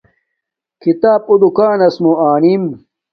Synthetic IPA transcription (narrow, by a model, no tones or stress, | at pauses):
kit̪aːp̚ud̪ukaːnɐsmuaːnim